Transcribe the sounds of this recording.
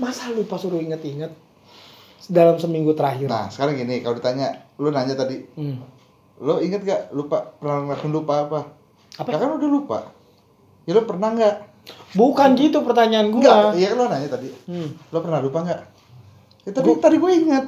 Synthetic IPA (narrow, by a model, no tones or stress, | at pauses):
masalupasuɾuiŋət̪iŋət̪̚ | sdalamsəmiŋɡut̪əɾaɦɪrna̰sə̥kaɾaŋɡinikalodit̪aɲalonaɲat̪adi | loiŋət̪̚ɡaʔlupapərnaŋlaksʊnlupaːpa | apakakanudahlupa̰ | jalopərnaŋɡaʔ | bukanɡit̪upərt̪aɲaːnɡuɡaaijakalonaɲat̪adilopərnahlupaŋɡaʔ | jat̪apit̪adiɡuaiŋət̪̚